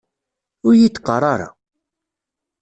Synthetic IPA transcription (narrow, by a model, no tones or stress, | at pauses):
ʊɾjit͡s̪ːqərˤɑɾˤa̰